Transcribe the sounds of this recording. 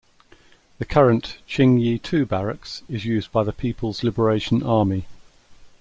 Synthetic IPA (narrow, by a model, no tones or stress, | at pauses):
ðəkʰʌɹə̃nʔt͡ʃʰɪ̃ŋjiːtʰʉːbaɹəksɪzjʉːzbaɪðəpʰiˑpʰəlˠzlɪbəɹeɪʃə̃nʔɑːmi